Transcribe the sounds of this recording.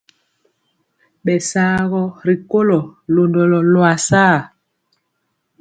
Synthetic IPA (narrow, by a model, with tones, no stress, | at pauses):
ɓɛ˨saː˦ɣɔ˦ɾi˨ko˦lɔ˨lo˨ndɔ˨lɔ˨lwa˨saː˦˨